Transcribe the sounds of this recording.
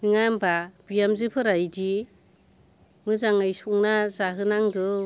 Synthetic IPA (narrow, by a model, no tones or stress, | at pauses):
ɯŋajmbab̥ijamzɯpʰɯɾajdi | mɯzaŋajsuŋnazaɦɯnaŋɡɯ